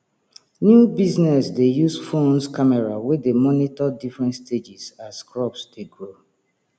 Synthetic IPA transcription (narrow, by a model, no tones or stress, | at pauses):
njubiznɛsdejusfõnskamɛɹawedemɔnitɔdifɹɛ̃ntstʰed͡ʒisaskɹɔpsdeɡɹo